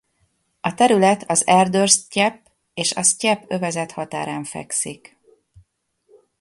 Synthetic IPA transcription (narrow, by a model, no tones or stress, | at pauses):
ɒt̪ɛɾylɛt̪ʰɒzɛrd̪ørscɛpː | eːʃɒscɛpø̞vɛzɛt̪hɒt̪a̰ːɾaːɱfɛ̰ksik